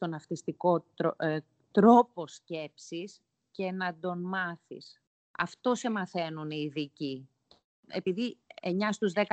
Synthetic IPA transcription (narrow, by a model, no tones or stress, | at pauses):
t̪o̞nɐft̪ist̪iko̞ | t̪ɾo̞po̞sce̞psis | ce̞nɐd̪o̞nmɐθḭs | ɐ̰ft̪o̞se̞mɐθe̞nuniːðici | e̞piðieɲɐst̪uzðe̞k